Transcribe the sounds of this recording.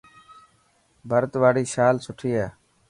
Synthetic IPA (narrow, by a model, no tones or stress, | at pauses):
bʱəɾt̪ʋaːɽiːʃaːlsʊʈʰiːɦaː